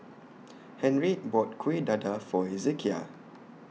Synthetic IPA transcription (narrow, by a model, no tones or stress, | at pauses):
hɛ̃nɹibɔt̚kʰwedadafɔɛzekʰia̰